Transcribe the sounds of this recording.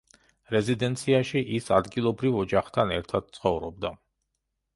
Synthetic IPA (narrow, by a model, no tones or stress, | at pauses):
ɾɛzid̪ɛnt̪sʰiaʃiʔisad̪ɡilˠɔbɾivɔd͡ʒaχt̪ʰanɛɾt̪ʰad̪̥̚t̪sʰχɔvɾɔb̚d̪a